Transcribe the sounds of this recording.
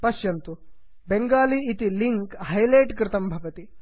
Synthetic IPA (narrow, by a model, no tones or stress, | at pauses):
pɐʃjɐnt̪u | beŋɡaːliːt̪iliŋkhɐjleːʈkɾɪt̪ɐmbʱɐʋɐt̪i